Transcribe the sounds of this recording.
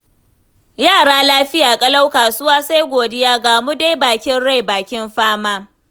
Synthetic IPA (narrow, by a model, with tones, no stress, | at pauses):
jaː˦˨ɽaː˦laː˦ɸɪ˦jaː˨kʼɐ˦la˦wkaː˨sʊ˦waː˦sa˦jɡʷoː˨dɪ˦jaː˦ɡaː˨mu˦da˦jbaː˨kʲɪ˦nɽa˦˨jbaː˨kʲɪ˦mɸaː˦maː˦